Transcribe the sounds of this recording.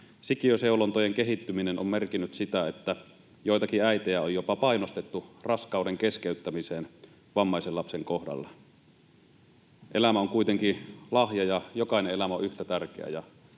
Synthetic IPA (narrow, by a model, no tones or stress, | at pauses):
sikiøseulont̪ojeŋkeɦit̪ːyminenommerkinːyt̪sit̪æet̪ːæ | joijt̪ɑkiæit̪ejæojopɑpɑinost̪et̪ːurɑskɑˑudeŋkeskeyt̪ːæmiseːn | ʋɑmːɑˑiselːɑpseŋkohdɑ̰lːɑ | ʔelæmæoŋkuit̪eŋkilɑhjɑjɑjokɑinẽʔʔelæmæo̰ʔyht̪æt̪ærkḛæ̰jɑ